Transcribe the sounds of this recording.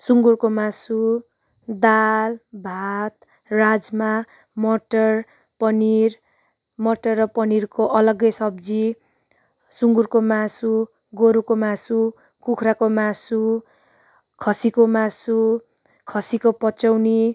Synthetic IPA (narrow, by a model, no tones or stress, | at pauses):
suŋɡurkomasu | d̪albʱat̪̚ | rad͡zma | mʌʈʌr | pʌnir | mʌʈʌrːʌpʌnirkoʔʌlʌɡʌjsʌbd͡zi | suŋɡurkomasu | ɡoɾukomasu | kukʰɾakomasu | kʰʌsikomasu | kʰʌsikopʌt͡sʌwni